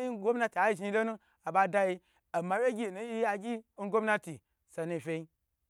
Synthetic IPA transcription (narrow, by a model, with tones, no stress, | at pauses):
i˦ɡo˦mna˦ti˨a˨i˦ʒi˧lo˦nu˦ | a˨ba˧da˧ji˧ | a˨ma˨wʲe˦ɡʲi˦˨nu˦ji˦ja˧ɡʲi˦ɡo˦m˦na˦ti˨ | sa˧nu˧˨fʲe˧i˦